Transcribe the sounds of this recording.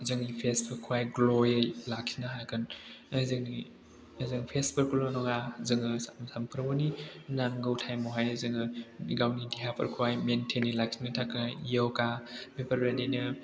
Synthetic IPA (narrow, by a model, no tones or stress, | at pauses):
zɯŋlipʰespʰɯkʰuajɡlojelakʰinaɦakʰɯnɐzɯŋni | ɐzɯŋpʰespʰɐɾkʰulɔnɔŋazɯŋɯsamsampʰɯɾɐmoninaŋɡɯwtʰajmɔɦajzɯŋɯɡawnidiɦapʰɐ̰ɾkʰuajmentʰenilakʰinɯtʰakɯnjawkamepʰɐɾbeninɯ